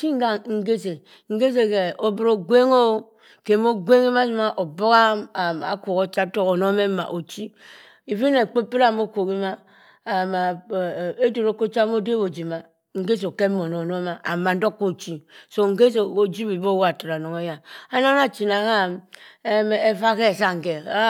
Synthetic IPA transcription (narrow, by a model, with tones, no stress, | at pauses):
ki˦ŋ˦ɡa˨ŋ̩˦ɡe˦se˨ | ŋ̩˦ɡe˦se˨ke˨o˨bi˨ɾo˨ɡwe˦ŋo˦ | ke˨mo˦ɡʷe˦ŋi˦ma˦si˦ma˦ʔo˨bo˦ɣa˦a˨ma̰˨ko˨ko˦t͡ʃa˦to˦o˨no˦me˦ma̰˨ʔo˨t͡ʃi˦ | i˨vi˦ne˨k͡pe˦pi˦ɾa˦˨mo˦ko˨ki˦ma˦ | a˨ma˨ | e˦do˨ɾo˨˦ko˦t͡ʃa˦m˦o˦de˦bo˨d͡ʒi˨ma˨ | ŋ̩˨ɡe˦s̬o˨ke˦mo˨no˨no˦ma˨a˨ma˨n̩˦do˦kːo˦t͡ʃi˨so˨ŋ̩˨˦ɡe˦s̬o˨o˨d͡ʒi˦bi˨bo˦wa˨ta˨ɾa˨no˨ŋe˦ja˨a˦na˦na˦t͡ʃi˨na˨ka˦˨me˦m˨e˦fa˦ke˦˨sa˦ŋ˨ke˨a˦